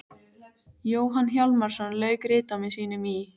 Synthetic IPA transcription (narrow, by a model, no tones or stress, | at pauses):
joːwɦanːçjawlmaɾ̥sɔnlœːɥkɾɪːt̪amɪðsiːnʏmi